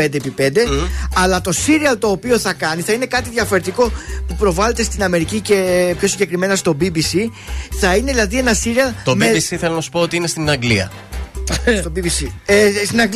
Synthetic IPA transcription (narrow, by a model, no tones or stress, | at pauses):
end̪epipe̞nd̪e̞ɐlɐt̪o̞siɾiɐlt̪o̞ːpio̞θɐkɐniθɐine̞kɐt̪iðʝɐfo̞ɾe̞t̪iko̞pupɾo̞vɐle̞t̪e̞st̪inɐme̞ɾicice̞pço̞siɲɟe̞kɾime̞nɐst̪o̞bibisiθɐineðilɐðie̞nɐsiɾiɐlt̪omiisiθelɐnɐsu̥po̞ot̪iinest̪inɐŋɡlḭɐ̰ | st̪obibisist̪inɐɡ